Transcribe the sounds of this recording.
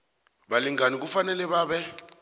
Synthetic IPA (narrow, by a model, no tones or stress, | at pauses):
ɓaliŋanik̬ufanɛlɛɓaːɓɛ